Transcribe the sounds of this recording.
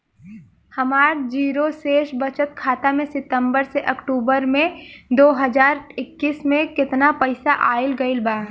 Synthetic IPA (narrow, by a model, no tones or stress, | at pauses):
hɐmaːɾd͡ʒiːɾoseːʃbɐt͡ʃət̪kʰaːt̪amẽsɪt̪ə̃mbəɾseʔɐkʈuːbəɾmẽd̪oːɦɐzaːɾɪkːiːsmẽkɪt̪napəɪsaʔaːɪlɡɐɪlbaː